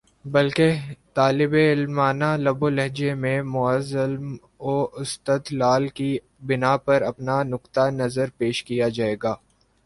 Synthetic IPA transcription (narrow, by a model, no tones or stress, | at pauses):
bɐlket̪aːlɪbeɪlmaːnalɐbolɛɦd͡ʒemẽmʊəzəlm | oːɪst̪ət̪laːlki | bɪnapɐɾɐpnanʊqt̪anɐzəɾpeːʃkijad͡ʒaːeːɡaː